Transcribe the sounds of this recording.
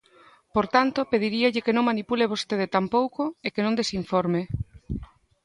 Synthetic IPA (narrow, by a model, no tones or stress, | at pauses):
poɾt̪ant̪opeðiɾiaʎɪkenõŋmanipuleβost̪eð̞et̪ampowkoekenõŋnd̪esiɱfɔɾme